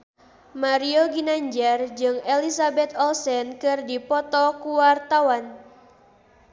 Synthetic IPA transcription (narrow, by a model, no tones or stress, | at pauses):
maɾioɡinaɲd͡ʒard͡ʒɨŋelisabɛt̪̚ɔlsɛnkɨrdipɔt̪ɔkuwart̪awan